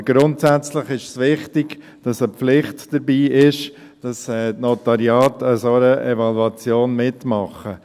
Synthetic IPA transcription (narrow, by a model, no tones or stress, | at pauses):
ɡ̥ɾʊntsæt͡sləχɪʃsʋɪχtɪɡ | d̥ɑsəpflɪχtd̥əɾbiːɪʃ | d̥ɑsɛtnɔtɑɾiɑːtəsoəʔɛvɑluɑt͡sjoːnmɪtmɑχə